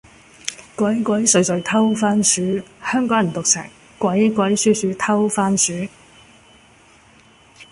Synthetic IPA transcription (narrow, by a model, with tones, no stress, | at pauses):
kʷɐ˨˥jkʷɐ˨˥jsɵ˨˥ɥsɵ˨˧ɥt̪ʰɐ˥wfaː˥nsyː˨˥hœː˥ŋkɔː˨˥ŋ˨˩nt̪ʊ˨k̚sɛ̰ː˨˩ŋ | kʷɐ˨˥jkːʷɐ˨˧˥jsyː˥syː˨˧t̪ʰɐ˥wfaː˥nsyː˨˥